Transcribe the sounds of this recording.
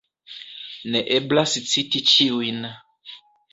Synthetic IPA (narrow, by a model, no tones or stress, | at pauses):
neʔeblast͡sitit͡ʃiujn